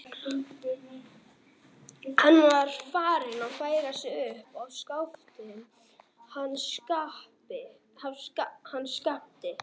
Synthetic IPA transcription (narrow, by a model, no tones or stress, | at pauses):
hanːvaɾ̥faːɾɪnawfaːjɣasɪʏhpawskawft̪ɪn | hanːskahpɪ | havskahanːskapt̪ɪ